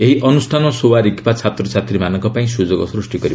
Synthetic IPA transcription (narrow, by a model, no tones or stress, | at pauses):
eɦiʔɔnusʈʰanɔsowaɾikpat͡sʰat̪ɾɔt͡sʰat̪ɾimanɔŋkɔpaĩsud͡zɔkɔ̰sɾusʈikɔɾib